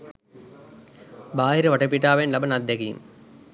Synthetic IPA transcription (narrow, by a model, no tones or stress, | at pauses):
baːɦiɾɐʋɐʈːɐp̬ːiʈːaːʋeːnlɐbɐnɐd̪ʱjɐɡijṵm